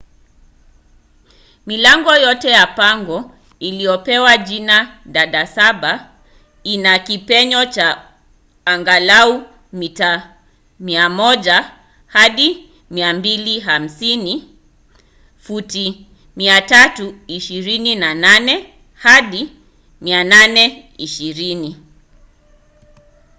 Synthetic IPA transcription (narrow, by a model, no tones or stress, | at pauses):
milaŋɡɔjɔtɛjapaŋɡɔ | ilijɔpɛwaʄinaɗaɗasaɓa | inakipɛɲɔt͡ʃaː | ŋɡalau | mita | miamɔʄa | haɗi | miambiliɦam̩sini | futi | miatatuiʃiɾininananɛ | haɗi | miananɛ | iʃiɾini